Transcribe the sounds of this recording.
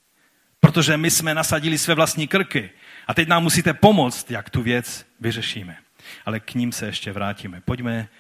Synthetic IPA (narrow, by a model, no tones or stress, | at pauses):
pɾot̪o̞ʒɛmɪsmɛnasaɟilisvɛːvlast̪ɲiːkr̩kɪʔat̪ɛcnaːmːusiːt̪ɛpo̞mot͡st̪jakt̪uvjɛt͡s | vɪrɛʃiːmɛ | ʔalɛkɲiːmsɛjɛʃcɛvɾaːciːmɛpoɟmɛ